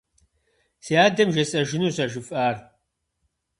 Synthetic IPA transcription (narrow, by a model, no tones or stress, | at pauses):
seaːdɐmʒɐsʼɐʒɪnuɕɐʒɪfʼaːr